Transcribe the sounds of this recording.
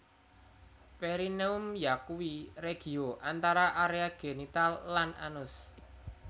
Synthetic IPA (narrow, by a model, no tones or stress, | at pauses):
peɾineʊmjakuwiɾeɡ̥i̤oʔant̪aɾaʔaɾeaɡ̥enit̪alːanʔa̰nʊs